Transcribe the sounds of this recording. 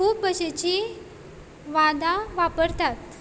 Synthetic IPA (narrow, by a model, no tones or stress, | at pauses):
kʰuːpbəɕet͡ɕi | ʋãd̪ãʋapəɾt̪at̪